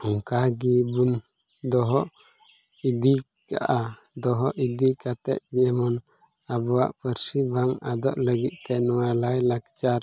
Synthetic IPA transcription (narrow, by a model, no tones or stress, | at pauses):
ɔŋkaɡibun | d̪ɔɦɔʔ | id̪i | ka̰ʔa | d̪ɔɦɔʔid̪ikat̪ɛ̰ʔ̪̚d͡ʒɛɛmɔn | abɔwa̰ʔpəɾsibʱaŋad̪ɔʔləɡit̪̚t̪ɛnɔwalajlakt͡ʃaɾ